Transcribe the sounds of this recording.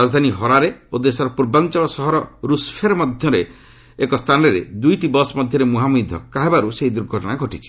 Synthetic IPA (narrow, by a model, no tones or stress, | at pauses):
ad͡ʒd̪ʱaniɦɔɾaɾeod̪esɔɾɔpuɾbant͡ʃɔɭɔsɔɦɔɾɔɾuspʰeɾɔmɔd̪ʱjɔɾeː | kɔst̪ʰanɾeɾḛd̪ujʈibɔsmɔd̪ʱjɔɾemuɦamud̪ʱɔkaɦebaɾuseɦid̪uɾɡʱɔʈɔɽ̃aɡʱɔʈit͡ʃʰi̥